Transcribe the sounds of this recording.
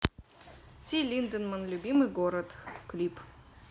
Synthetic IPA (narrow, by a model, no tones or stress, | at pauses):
t̪ʲilʲind̪ənmənlʲubʲimɨɡoɾət̪klʲip